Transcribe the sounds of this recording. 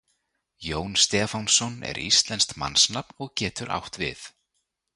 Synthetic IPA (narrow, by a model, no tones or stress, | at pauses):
joːwnst̪ɛːfawnsɔnɛ̰ɾḭst̪lɛnst̪ma̰nːsnapnɔɣcɛːt̪ʏɾʔa̰wht̪vɪ̰θ